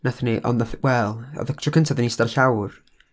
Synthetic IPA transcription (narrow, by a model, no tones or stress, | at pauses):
naθəniʔɔ̰nnaθwɛlˠɔ̰ðəktʰrɔkʰəntʰaðənisdarɬawr